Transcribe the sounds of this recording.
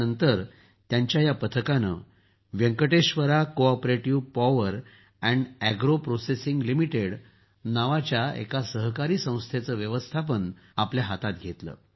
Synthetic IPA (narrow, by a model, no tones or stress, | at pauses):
ənt̪əɾ | t̪jaɲt͡ɕjajapət̪ʰəkanə̰ | ʋjəŋkəʈeɕʋəɾakoɔpɾeʈiʋpɔʋəɾ | ɛ̃ɳɖæɡɾopɾosesĩŋɡlimiʈeɽ | naʋat͡ɕjaḛkasəɦkaɾiːsə̃w̃st̪ʰet͡səːʋjəʋəst̪ʰap̬ən | apljaɦat̪at̪ɡʱet̪lə̰ː